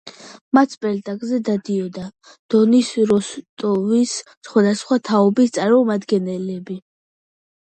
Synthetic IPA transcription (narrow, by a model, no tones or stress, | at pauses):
mat̪sʰpʼɛlt̪ʼakʼzɛd̪ad̪iɔd̪a | d̪̥ɔnisɾɔst̪ʼɔvis | sχwad̪asχwat̪ʰaɔbist̪sʼaɾmɔmad̪ɡɛnɛlɛbi